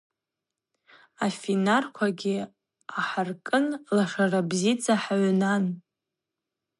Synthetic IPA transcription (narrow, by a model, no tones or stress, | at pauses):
afinarkʷʰaɡʲɪ | aħarkʼɨnlaʂarabzit͡sʰʼaħaɥnan